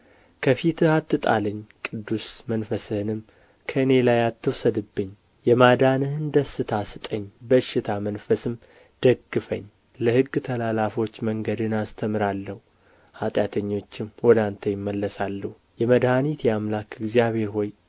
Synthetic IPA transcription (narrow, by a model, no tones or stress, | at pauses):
kʰəfit̪ʰɨhat̪ːɨt̪ʼa̰lɨɲːkʼɨd̪ːusmənfəsɨhɨnɨm | kʰəɨne̞lajat̪ːɨwsəd̪ɨbːɨɲː | jɛmad̪anɨhɨnd̪əsːɨt̪ʰasɨt̪ʼəɲːbəʃɪt̪ʰamənfəsɨm | d̪̥əɡːɨfə̰ɲː | ləhɨɡːt̪ʰəlalafo̞t͡ʃːməŋɡəd̪ɨnast̪ʰəmɨɾalːəhu | hat̪ʼjat̪ʰəɲːo̞t͡ʃːɪmwɔd̪ant̪ʰəjɪmːəlːəsalːəhu | jɛməd̪hanit̪jɛamlakɨɡzijaβhe̞ɾho̞j